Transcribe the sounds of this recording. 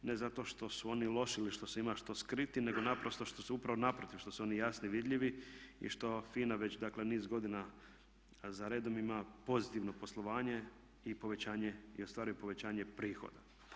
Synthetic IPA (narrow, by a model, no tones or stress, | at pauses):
ne̞zat̪o̞ʃt̪o̞suo̞nilˠo̞ʃiliʃt̪o̞seimaʃt̪o̞skɾit̪ine̞ɡo̞napɾo̞st̪o̞ʃt̪o̞suupɾaʋonapɾot̪iʋʃt̪o̞suo̞nijasniʋid̪ʎiʋiḭʃt̪o̞fiːnaʋe̞t͡ɕd̪akle̞niːzɡo̞d̪ina | zaɾeːd̪o̞mimapo̞zit̪iʋno̞po̞slˠoʋaːɲe̞ | ipo̞ʋe̞t͡ɕaːɲe̞iost̪ʋaːɾujupo̞ʋe̞t͡ɕaːɲe̞pɾiːxo̰d̪a